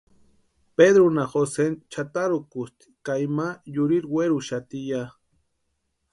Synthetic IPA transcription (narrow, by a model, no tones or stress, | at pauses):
ped̪ɾunaxosent͡ʃat̪aɾukust̪i̥kajmajuɾiɾweɾuʃat̪ija